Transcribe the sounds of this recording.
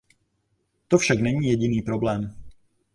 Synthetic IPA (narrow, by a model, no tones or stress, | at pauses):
t̪ɔfʃaɡnɛɲiːjɛɟiniːpɾoblɛːm